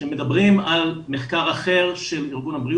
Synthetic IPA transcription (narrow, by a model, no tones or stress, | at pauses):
emːed̪abʁimalmeχkaʁaχe̞ʁʃe̞liʁɡunabʁi